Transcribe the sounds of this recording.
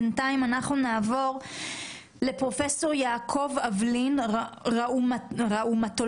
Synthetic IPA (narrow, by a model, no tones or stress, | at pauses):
ntaimanaχnunaːvo̞ʁ | le̞pʁo̞fe̞so̞ʁjaːkʰo̞vavlinʁauʁaʔumat̪o